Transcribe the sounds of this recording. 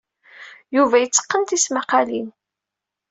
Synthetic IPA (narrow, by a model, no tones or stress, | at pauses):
juvæjət͡sːə̥qːənt̪ismaqɑlin